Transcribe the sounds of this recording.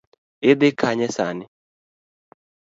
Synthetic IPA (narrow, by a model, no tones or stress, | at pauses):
ɪd̪ɪkʰaɲɛsanɪ